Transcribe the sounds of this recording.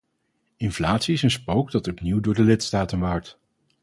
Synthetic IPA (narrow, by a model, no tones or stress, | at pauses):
ɪnflaːtsiɪsənspowɡdɑtɔpniwdʊːɹdəlɪtstaːtənʋaːɹt